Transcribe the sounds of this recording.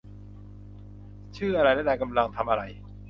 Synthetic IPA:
t͡ɕʰɯː˥˩ʔa˧ɾa˧jlɛ˥˩da˧˩ka˧mla˧ŋt̪ʰa˧mʔa˧ɾa˧j

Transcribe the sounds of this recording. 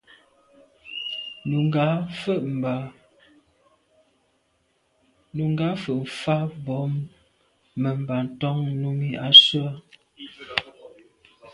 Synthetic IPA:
nu˨ŋɡa˨˦fə˦ʔm˨ba˨ | nu˨ŋɡa˨˦fə˨ʔm̩˨fa˦bɔ˨˦mː | ə˨m˨ba˨n̩˨tɔ˦ŋ˦nu˦mi˦a˨swa˦

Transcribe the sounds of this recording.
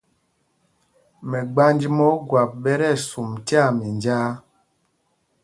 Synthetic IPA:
mɛ˨ɡ͡ba˦nd͡ʒi˦mɔ˦ɡwa˨p̚ɓɛ˦ɾɛ˦˨su˨mti˦a˦˨mi˨nd͡ʒaː˦

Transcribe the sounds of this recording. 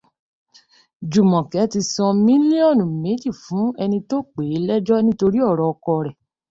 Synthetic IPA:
d͡ʒu˨mɔ̃˨kɛ˨˦ti˧sɔ̃˧mĩ˦li˦ɔ˦˨nũ˨me˨˦d͡ʒi˦˨fũ˨˦ɛ˧nĩ˧to˦k͡pe˨˦lɛ˦d͡ʒɔ˦nĩ˦to˧ɾi˦ɔ˦˨ɾɔ˧ɔ˧kɔ˧ɾɛ˨

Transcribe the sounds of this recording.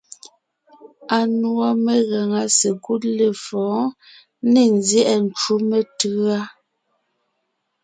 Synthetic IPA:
a˨nwɔ˦˨me˦ɣa˨ŋa˨˦se˨ku˦t̚le˨fɔ̃ː˨˦ | ne˨n˨zjɛ˦ʔɛ˨n̩˨t͡ʃu˦me˨tɯ˦a˦

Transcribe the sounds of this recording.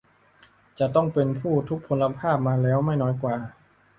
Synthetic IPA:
t͡ɕa˨˩t̪ɔ˥˩ŋpe˧npʰuː˥˩t̪ʰu˦˥k̚pʰo˧la˧pʰaː˥˩p̚maː˧lɛː˦˥wma˥˩jnɔː˦˥jkwaː˨˧˩

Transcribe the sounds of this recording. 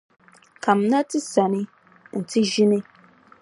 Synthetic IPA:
ka˨m̩˨na˦tɨ˦sa˨nɪ˦ | n̩˨tɨ˦ʒi˦nɨ˦

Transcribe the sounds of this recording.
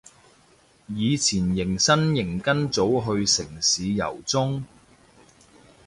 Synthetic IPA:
jiː˨˧t͡sʰiː˨˩njɪ˨˩ŋsɐ˥njɪ˨˩ŋkɐ˥nt͡so˨˥wɦɵ˧ɥsɪ˨˩ŋsiː˨˧jɐ̰˨˩wt͡sʊ˥ŋ

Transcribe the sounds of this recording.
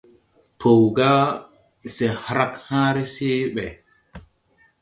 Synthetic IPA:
pʰo˨wɡa˦ | se˨hɾa˦khãː˦ɾe˦seː˦ɓɛ˨

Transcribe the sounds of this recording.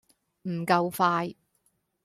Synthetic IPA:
m̩˨˩kɐ˧wfaː˧j

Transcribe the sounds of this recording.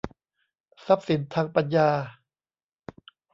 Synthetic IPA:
sa˦˥p̚si˩˦nt̪ʰaː˧ŋpa˧njaː˧

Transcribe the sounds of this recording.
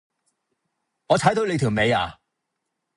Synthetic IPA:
ŋɔː˨˧t͡sʰaː˨˥jt̪o˨˧wle˨˧jt̪ʰi˨˩wme˨˧ja̰ː˨

